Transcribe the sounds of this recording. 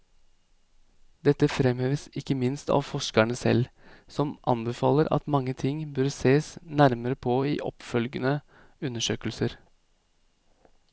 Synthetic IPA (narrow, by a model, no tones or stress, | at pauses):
d̪ɛt̪ːəfɾɛmheːʋəsɪkːəmɪnst̪ɑ̰ːʋfɔʂkəɳəsɛ̰lsɔmʔɑ̰nbəfɑːləɾɑ̰t̪mɑŋːət̪ʰɪŋbœɾseːsnæɾməɾəpʰoːḭːʔɔ̰pfœlɡənə | ʉnːəʂøːkəlsəɾ